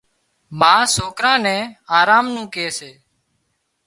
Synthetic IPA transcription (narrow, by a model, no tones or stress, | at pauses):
maːsoːkɾãːnɛ̃ːaːɾaːmnũːkeːseː